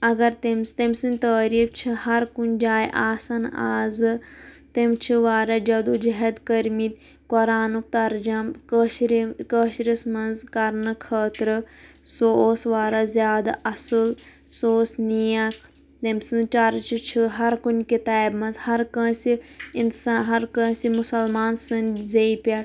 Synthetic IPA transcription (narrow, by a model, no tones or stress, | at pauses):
ɐɡɐɾt̪emst̪ɐmʲsinʲt̪əːɾiːft͡ʃʰihɐɾkunʲd͡ʒaːjʔaːsɐna̰ːzɨ | t̪emt͡ʃʰiʋaːɾɐd͡ʒɐd̪ud͡ʒɐɦɐd̪kɐɾmit̪ | koɾaːnuk̚t̪ɐɾd͡ʒɐmkɐʃɾikəːʃɾismɐnzkɐɾnɨkʰəːt̪ɾɨ | sosʋaːɾɐzjaːd̪a̰ʔɐsɨl | soːsnijak | t̪ɐmsɨ̃t͡ʃɐɾt͡ʃit͡ʃʰiɦɐɾkunʲkit̪aːjbmɐnzhɐɾkɐ̃ːsiinsaɦɐɾkɐ̃ːsimusɐlmaːnsɨnzɐipʲa